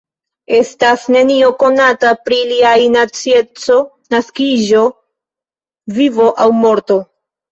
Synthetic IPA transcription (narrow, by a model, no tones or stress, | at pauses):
e̞stasne̞nio̞ko̞natapɾiliajnat͡siet͡so̞ | naskiʒo̞ | vivo̞ʔawmo̞ɾto̞